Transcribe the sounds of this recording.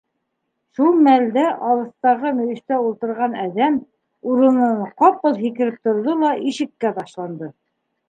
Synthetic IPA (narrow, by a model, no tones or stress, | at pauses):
ʃulˠmæld̪æʔɑlˠɤ̆θt̪ɑʁɤmɵ̆jɘ̆ʃt̪æulˠt̪ɤ̆ɾʁɑnæðæm | uɾɤ̆nɤɴqɑpɤlˠɦikɘ̆ɾɘp̚t̪ŏɾðolˠɑʔiʃɘ̆kːæbɑʃlˠɑnd̪ɤ